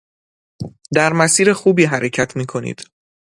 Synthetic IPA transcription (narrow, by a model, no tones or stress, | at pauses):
d̪æɾmæsiːɾe̞xuːbiːɦæɾe̞cʰæt̪ʰmiːkʰo̞nḭːd̪̥